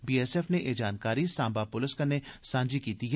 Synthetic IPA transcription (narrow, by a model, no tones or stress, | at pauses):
biːɛsɛːfneʔeːd͡ʒaːnkaːɾisãːmbapʊlɪskɐnesãːɲd͡ʒikiːt̪iɦ